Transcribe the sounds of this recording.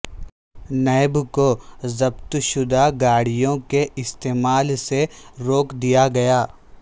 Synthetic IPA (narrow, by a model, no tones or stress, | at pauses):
nɛːbkozɐb̚t̪ʃʊd̪aɡaːɽijõkeʔɪst̪eːmaːlseɾoːkd̪ijaɡɐjaː